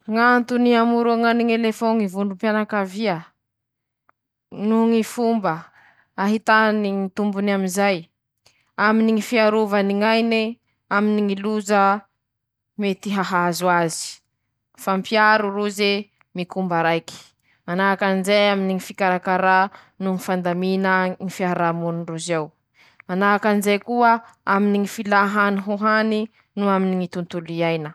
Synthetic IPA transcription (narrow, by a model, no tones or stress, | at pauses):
ŋant̪uniamuɾuaŋaniŋelefoŋivuɳɖ͡ʐumpjanakaviə | nuŋifumbə | aɦit̪aniŋit̪umbunaminzaj | aminiŋifiaɾuvaniŋajne | aminiŋiluzə | met̪iɦaɦazuazi̥ | fampjaɾuruze | mikumbaɾajki̥ | anakanizejaminiŋifikaɾakaɾa | nuŋifand̪aminəŋifiaaɾamunuruzew | anakanizejkuə | aminiŋifilaɦaniɦuɦani | nuaminiŋit̪unt̪uliajnə